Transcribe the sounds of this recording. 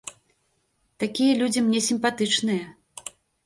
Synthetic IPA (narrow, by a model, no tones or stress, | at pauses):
t̪akʲijɐlʲud͡zʲimnʲɛsʲimpat̪ɨt͡ʂnɨjɐ